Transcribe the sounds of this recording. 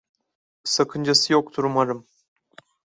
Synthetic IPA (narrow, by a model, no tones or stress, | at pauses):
sakʰɯnd͡ʒasɨjok̚t̪ʰuɾumaɾɯm